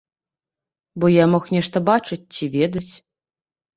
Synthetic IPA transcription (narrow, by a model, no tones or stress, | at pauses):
bɔjamɔxnʲɛʂt̪ɐbat͡ʂɨt͡sʲt͡sʲivʲed̪ɐt͡sʲ